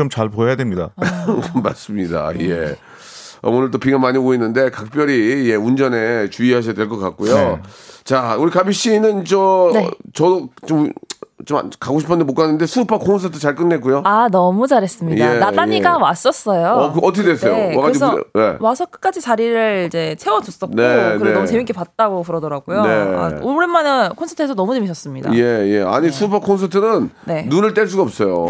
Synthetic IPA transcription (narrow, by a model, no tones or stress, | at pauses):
omt͡ɕaɭpoejadwemɲida̰mːa̰ɭs͈ɯmɲida̰je | ʌ̰onɯɭt͈opiɡamaɲiboinːɯnde̞kak̚p͈jʌɾijeund͡ʑʌne̞t͡ɕuiɦaɕ̬ʰijadwe̞ɭk͈ʌk͈ak̚k͈ujot͡ɕauɾikabiɕ͈inɯnt͡ɕʌnet͡ɕʌdot͡ɕomt͡ɕoma̰kaɡoɕʰi̥pʰʌnd̪emokoanːɯnde̞sʰupʰakʰoŋns̬ʰatʰot͡ɕaɭk͈ɯnːe̞k͈ujoanʌmut͡ɕaɾes͈ɯmɲijdaeat͈ajiɡawas͈ʌs͈ʌjokɯʌtʰʌkʰedwes͈nejoakaɾeisʰʌ̰je̞̰wasʰʌk͈ɯ̥k͈ad͡ʑit͡ɕaɾiɾɯɭid͡ʑe̞t͡ɕʰe̞wʌd͡ʑos͈ʌkneokɯɾeeʌmt͡ɕemik͈epat̚t͈aɡopɯɾʌdʌɾaɡujonea̰uɾemːanɯkʰonsʰʌtʰɯesʰʌnʌmut͡ɕemiɕʰʌs͈ɯmɲida̰je̞jḛa̰ɲisʰuːpʰakʰons̬ʰʌtʰɯnɯnne̞ːunɯɭt͈eɭs̬͈uɡaʌp̚s͈ʌjo̰